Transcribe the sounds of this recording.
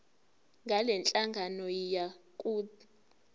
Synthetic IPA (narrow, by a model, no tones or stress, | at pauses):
ŋɡʱalɛnt͡ɬʼaŋɡʱanɔjakʼuːt